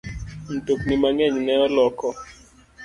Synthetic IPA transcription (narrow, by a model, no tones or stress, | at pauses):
n̩toknimaŋɛɲnɛɔlɔkɔ